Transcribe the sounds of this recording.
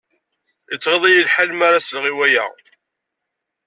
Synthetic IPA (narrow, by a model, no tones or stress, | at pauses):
ət͡sːʁeðˤajəlħalmaɾaslʁiwæjæ̰